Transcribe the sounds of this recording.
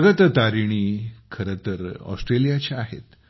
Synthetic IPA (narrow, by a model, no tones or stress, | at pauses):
əɡət̪ət̪aɾiɽ̃iːkʰəɾət̪əɾɔ̰sʈɾelijat͡ɕeaɦḛt̪